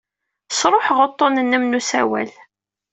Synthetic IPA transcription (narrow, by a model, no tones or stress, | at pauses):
sɾˤoħʁət̪ˤːonənːəmnusæ̰wæ̰l